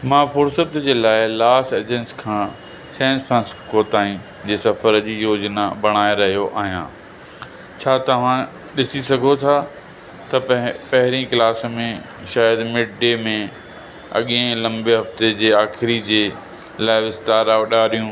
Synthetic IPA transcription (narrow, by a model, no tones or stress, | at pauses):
mãːfʰoːɾsət̪d͡ʑeːlaːɪlaːsʈeːd͡ʑẽnskʰãː | sɛ̃ːnspʰɾãːnskoːt̪aːĩ | d͡ʑeːsɐfəɾd͡ʑiːjoːd͡ʑnabɐɽ̃aːeɾɐɦijoʔa̰ːɦijã̰ː | t͡ɕʰaːt̪ɐʋ̤ã | ɗɪsisɐɡʱot̪ʰa | t̪ɐpɐɦɪɾĩklaːsmẽ | ʃaːjəd̪mɪɖɖemẽ | ɐ̰ɠẽlɐ̃mbeɦɐft̪ed͡ʑeːaːxɪɾid͡ʑeː | laːɪʋɪst̪aːɾaːɗaːɗijũː